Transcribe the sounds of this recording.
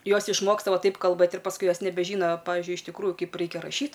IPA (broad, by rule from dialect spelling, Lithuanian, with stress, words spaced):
ˈjoːs ɪʃˈmoːkstɐ ˈʋɐ ˈtɐɪp kɐlˠˈbɘt ɪr pɐsˈkʊɪ ˈjoːs nʲɛbʲɛˈʒʲiːnoː ˈpɑːʋʲɪʒʲʊɪ ɪʃ tʲɪkˈruːjuː ˈkɐɪp ˈrɐɪkʲɛ rɐˈʃʲiːt